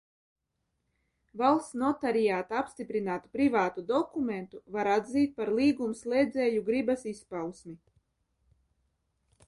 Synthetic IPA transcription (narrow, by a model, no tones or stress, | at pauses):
valˠst̪snɔt̪aɾijaːt̪aapst̪ipɾinaːt̪u̥pɾivaːt̪ud̪ɔkument̪uvaɾad̪ziːt̪̚paɾlˠiːɡumslˠeːd̪zɛːjuɡɾibasispawsmi